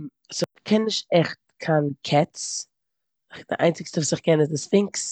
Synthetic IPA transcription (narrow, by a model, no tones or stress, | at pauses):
sɪkʰɛnːɪʃtɛχt̚kʰaːnkʰɛt͡s | d̥ɪ̰ʔaɪnt͡sɪkstəvuːsɪχkɛnɪzdɪsfɪŋks